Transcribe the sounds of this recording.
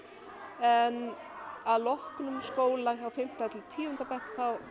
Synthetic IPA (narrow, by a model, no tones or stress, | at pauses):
ɛn | aðlɔhknʏmskoːwlaawfɪm̥t̪aɛt̪lɪt̪ʰiːʏnt̪apɛhkθaw